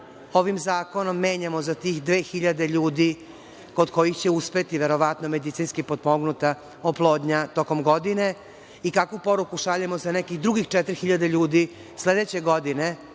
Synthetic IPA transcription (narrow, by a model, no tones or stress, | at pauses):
o̞ʋimzaːko̞no̞mːe̞ːɲamo̞zat̪iːxd̪ʋe̞ːxiʎad̪e̞ʎuːd̪i | ko̞d̪ko̞jixt͡ɕeuspe̞t̪iʋe̞ɾo̞ʋat̪nome̞d̪it̪sinskipod̪moɡnut̪a | oplˠo̞ːd̪ɲat̪o̞ko̞mɡo̞d̪ine | ikakʋupo̞ɾukuʃaʎemozanekixd̪ɾuɡixt͡ʃɛt̪ɾixiʎad̪eʎuːd̪i | sle̞d̪et͡ɕe̞ɡo̞d̪ine